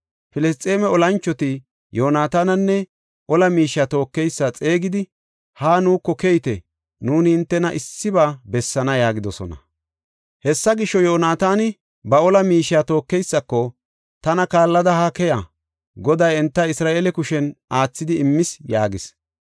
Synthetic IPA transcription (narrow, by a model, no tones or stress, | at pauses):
fɪlɛst̪ʼe̞ːmɛɔlɐnt͡ʃːɔt̪ɪ | joːnaːt̪aːnɐnːɛ | ʔɔlɐmiːʃaːt̪o̞ːkːɛjsːat͡sʼe̞ːɡɪd̪ɪ | haːnuːkːɔkɛjɪt̪ɛ | nuːnɪhɪnt̪ːɛnɐʔɪsːɪbaːbɛsːɐnɐjaːɡɪd̪ɔsɔ̰nɐ̰ | hɛsːɐɡɪʃːɔjoːnaːt̪aːnɪ | bɐɔlɐmiːʃaːt̪o̞ːkːɛjsːɐkːɔ | t̪ɐnɐkaːlːɐd̪ɐhɐkɛja | ɡɔd̪ɐjɛnt̪ːɐɪsɾaːʔeːlɛkʊʃɛnaːt͡sːɪd̪ɪɪmːɪsjaːɡɪs